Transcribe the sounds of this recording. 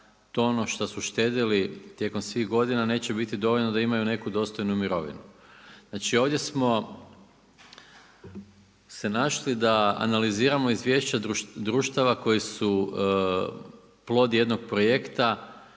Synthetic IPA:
t̪oonoʃt̪osuʃt̪e̞ːd̪ilit̪je̞ko̞msʋiɣɡo̞d̪inane̞ːt͡ɕe̞bit̪id̪o̞ʋo̞ʎnod̪aimajune̞kud̪o̞st̪o̞jnumiɾo̞ʋḭnu | znaːt͡ʃio̞ʋd̪je̞smo̞ | se̞naʃlid̪aa̰naliziːɾamo̞izʋje̞ːʃt͡ɕaud̪ɾuːʃt̪aʋako̞jisu | plˠo̞d̪jed̪no̞ɡ̚pɾo̞je̞kt̪a

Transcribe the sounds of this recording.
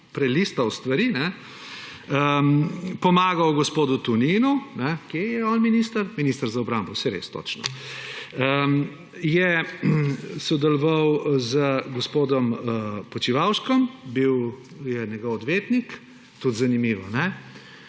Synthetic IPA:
pɾɛlist̪ɐwst̪ʋɐɾinɛ | ə | pɔmaːɡɐwɡɔspoːd̪ut̪uniːnunɛkjejɛɔːnminist̪ɐɾminist̪əɾzaɔbɾambɔwsɛɾḛːst̪o̰t͡ʃnɔ̰ | ə | jɛ | sɔd̪ɛlɔʋawzəɡɔspoːd̪ɔmpɔt͡ʃiʋawʃkɔmbiw | jɛnʲɛɡɔwɔd̪ʋeːt̪nik | t̪ut̪zɐnimiːʋɔnɛ

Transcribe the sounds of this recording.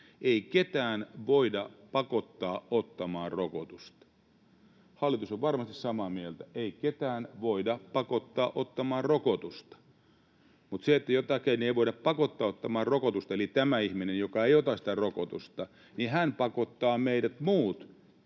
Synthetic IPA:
eiket̪æːnʋoidɑpɑkot̪ːɑːot̪ːɑmɑːrrokot̪ust̪ɑ̥ | hɑlːˑit̪usoʋʋɑrmɑst̪issɑmɑmielt̪æeiket̪æːnʋoidɑpɑkot̪ːɑːʔot̪ːɑmɑːrrokot̪ust̪ɑ̥ | mut̪seet̪ːæjot̪ɑkeinːeiʋoiɾɑppɑkot̪ːɑːot̪ːɑmɑːrrokot̪ust̪ɑelit̪æmæihminenjokɑeiot̪ɑsĭ̥t̪æroko̰t̪ust̪ɑ | nihænpɑkot̪ːɑːmeidæt̪muːt̪

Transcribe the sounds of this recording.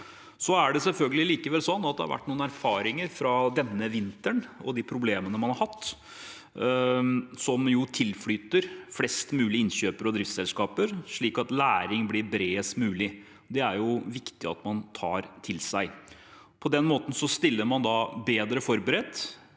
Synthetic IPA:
sɔæɖɛsɛlfœlɡəlɪliːkəʋɛlsɔnːɑt̪̚d̪ɛhɑ̰ɾʋæ̰ʈːnuːnæɾfɑːɾɪŋəɾfɾɑd̪ɛnːəʋɪnt̪əɳɔ̰d̪ipʰɾʊbleːmənəmɑnhɑɾhɑt̪ː | sɔmjʊt̪ʰɪlfɽyːt̪əɾflɛst̪mʉːlɪɪnɕøːpəɾɔd̪ɾɪft̪sɛlskɑːpəɾʂɭiːkɑt̪læːɾɪŋblɪɾbɾeːəst̪mʉːlɪ | d̪ɛæɾjʊʋɪkt̪ɪɑ̰t̪mɑnt̪ʰɑːɾt̪ʰɪlsæɪ | pʰɔd̪ɛnmoːt̪ən̩sɔst̪ɪlːəɾmɑnd̪ɑbeːd̪ɾəfɔɾbəɾɛt̪ː

